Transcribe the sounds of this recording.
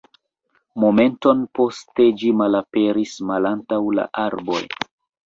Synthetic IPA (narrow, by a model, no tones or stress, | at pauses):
mo̞me̞nto̞npo̞ste̞d͡ʒimalape̞ɾismalantawla̰ʔaɾbo̞̰j